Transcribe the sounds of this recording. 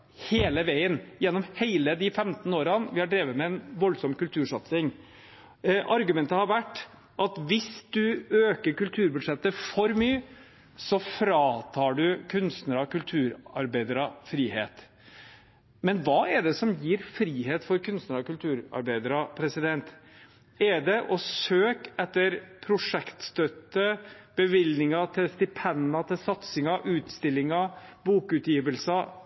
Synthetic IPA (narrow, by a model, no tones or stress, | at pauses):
heːləʋæɪənjɛnːɔmheɪləd̪ɪfɛmt̪n̩oːɾɑnʋɪhɑɖɾeːʋəmɛɛnʋɔlsɔmkʉlt̪ʰʉːʂɑt̪sɪŋ | ʔɑɾɡʉmɛnt̪əhɑɾʋæʈː | ʔɑt̪ʋɪsd̪ʉøːkəɾkʉlt̪ʰʉːɾbʉd̪ʂɛt̪ːəfɔɾmyː | sɔfɾɑːt̪ʰɑːɖʉkʰʉnst̪nəɾɑkʉlt̪ʰʉːɾɑɾbæɪd̪əɾɑfɾiːhḛːt̪ | mɛnʋɑːɛɖɛsɔmjiːɾfɾiːɦeːt̪fɔɾkʉnst̪nəɾɑkʉlt̪ʰʉːɾɑ̰ɾbæɪd̪əɾɑpʰɾɛsɪd̪ɛnt̪ | ɛɖɛʔɔsøːkɛt̪ːəɾpʰɾʊʂɛkt̪st̪œt̪ːəb̥əʋɪlnɪŋɑt̪ʰɪlst̪ɪpʰɛnɑt̪ʰɪlsɑt̪sɪŋɑʔʉːt̪st̪ɪlːɪŋɑbuːkʉːt̪jiːʋəlsɑ